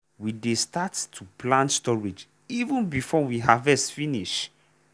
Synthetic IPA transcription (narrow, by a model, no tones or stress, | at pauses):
widestattʰːuplãntstɔɹid͡ʒ | ivə̃nbifɔwiɦavɛstfiniʃ